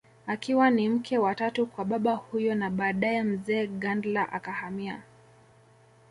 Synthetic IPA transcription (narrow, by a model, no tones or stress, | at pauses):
akiwanim̩kʰɛwatatukwaɓaɓahujɔnaɓaːɗajɛm̩zɛːɠandlaʔa̰kahamia̰